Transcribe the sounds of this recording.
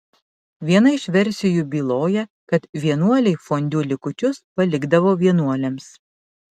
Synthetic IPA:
ʋʲiɛnɐɪʃʲʋʲɛɾʲsʲɪjuːbʲiːlˠoːjɛkɐt̪ʋʲiɛnuɔlʲɛɪfoːnʲd̪ʲuːlʲɪkʊt͡ʃʲʊspɐlʲɪɡd̪ɐʋoːʋʲiɛnuɔlʲɛms

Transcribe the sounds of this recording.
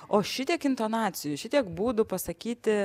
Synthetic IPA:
oːʃʲɪt̪ʲiɛkɪnt̪oːnɑːt̪t͡s̪ʲɪjʊʃʲɪt̪ʲiɛkbuːd̪ʊpɐsɐkʲiːt̪ʲɪ

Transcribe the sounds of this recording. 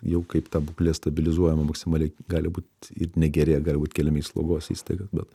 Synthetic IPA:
jɛʊkɐɪpt̪ɑːbʊklʲeːst̪ɐbʲɪlʲɪzuɔjɛmɐmɐksʲɪmɑːlʲɛɪɡɑːlʲɪbuːt̪ʲɪ̰ɾnʲɛɡʲɛɾʲeːɡɑːlʲɪbuːt̪ʲkʲɛlʲɪmʲeɛslˠṵɡoːsḭːst̪ɐɪɡɐbʲɛt̪

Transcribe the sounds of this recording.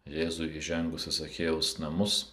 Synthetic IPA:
jeːzʊɪiʒʲɛŋɡʊsʲɪsɐkʲeːjɛʊsnɐmʊs

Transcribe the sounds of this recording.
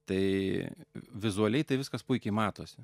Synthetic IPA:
t̪ɐɪ | ʋʲɪzʊɐlʲɛɪt̪ɐɪʋʲɪskɐspʊɪkʲɛɪmɑːt̪oːsʲɪ

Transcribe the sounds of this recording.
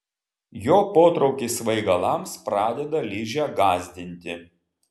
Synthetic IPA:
joːpoːt̪ɾɒʊkʲisʋɐɪɡɐlˠɐˑmspɾɑːd̪ʲɛd̪ɐlʲɪʒʲæːɡɑːzʲd̪ʲɪnʲt̪ʲɪ

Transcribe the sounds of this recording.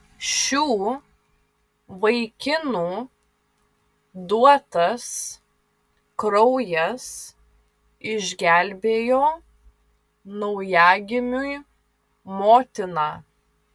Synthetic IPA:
ʃʲuː | ʋɐɪkʲɪnuː | d̪uɔt̪ɐs | kɾɔʊjɛs | ɪʒʲɡʲæˑlʲbʲeːjoː | nɔʊjæːɡʲɪmʲʊɪ | moːt̪ʲɪnɑː

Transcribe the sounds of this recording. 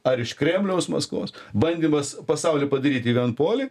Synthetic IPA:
ɐɾɪʃkɾʲeːmʲlʲɛʊsmɐ̰skʋo̰ːsbɐnʲd̪ʲimɐspɐsɐʊlʲɪpɐd̪ɐɾʲiːt̪ʲiːʋʲiɛnpoːlʲɪ

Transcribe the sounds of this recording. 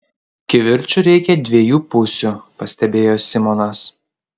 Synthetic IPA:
kʲɪʋʲɪɾʲt͡ʃʲʊɾʲɛɪkʲɛd̪ʲʋʲiɛjuːpʊsʲʊpɐsʲt̪ʲɛbʲeːjoːsʲɪmɔnɐs

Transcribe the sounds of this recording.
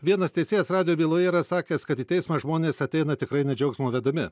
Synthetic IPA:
ʋʲiɛnɐst̪ʲɛɪsʲeːjɛsɾɑːd̪ʲɪjoːbʲiːlˠoːjɛɾɐsɑːkʲeːskɐt̪iːt̪ʲɛɪsmɐːʒmoːnʲeːsɐt̪ʲɛɪnɐt̪ʲɪkɾɐɪnʲɛd͡ʒʲɛʊksʲmoʋʲɛd̪ɐmʲɪ

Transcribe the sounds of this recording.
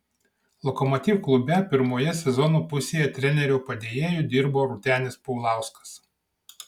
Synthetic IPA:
lˠɔkɔmɔt̪ʲiːfklˠʊbʲɛpʲɪɾmoːjɛsʲɛzɔnuːpʊsʲeːjɛt̪ʲɾʲɛnʲɛɾʲʊpɐd̪ʲeːjeːjʊˑd̪ʲɪɾboːɾʊt̪ʲæːnʲespɔʊlˠɑˑʊskɐ̥s

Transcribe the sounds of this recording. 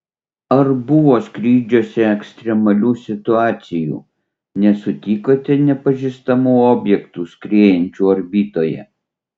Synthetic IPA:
ɐɾbʊʋoːskɾʲiːd͡ʒʲoːsʲɛɛksʲt̪ʲɾʲɛmɐlʲuːsʲɪt̪ʊɑːt̪sʲɪjṵː | nʲɛsʊt̪ʲiːkoːt̪ʲɪnʲɛpɐʒʲiːst̪ɐmuːoːbʲjɛkt̪uːskɾʲeːjɛnʲt͡ʃʲuːɐɾʲbʲiːt̪oːjɛ̰

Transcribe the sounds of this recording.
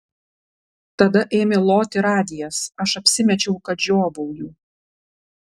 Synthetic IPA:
t̪ɐd̪ɐʔeːmʲɪlˠoːt̪ʲɪɾɑːd̪ʲɪjɛsɐʃɐpʲsʲɪmʲɛt͡ʃʲɛʊkɐt̪ʒʲoːbɔʊjuː

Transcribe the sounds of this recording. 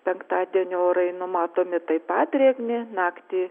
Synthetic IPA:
pʲɛŋkt̪ɑːd̪ʲiɛnʲɪoːɾɐɪnʊmɑːt̪oːmʲɪt̪ɐɪpɑːt̪ʲɾʲeːɡnʲɪnɑːkt̪ʲiː

